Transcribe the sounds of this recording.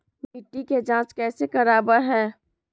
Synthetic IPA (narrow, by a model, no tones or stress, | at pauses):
bɪʈːiked͡ʒãːt͡ʃkɛːsekɐɾaːbəɾɦɛ̃ː